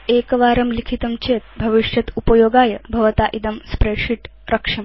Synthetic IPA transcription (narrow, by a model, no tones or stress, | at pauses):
eːkɐʋaːɾɐmlikʰit̪ɐmt͡ʃeːt̪bʱɐʋiʂjɐt̪upɐjoːɡaːjɐbʱɐʋɐt̪aːʔid̪ɐmspɾeʂiʈ | ɾɐkʂɐm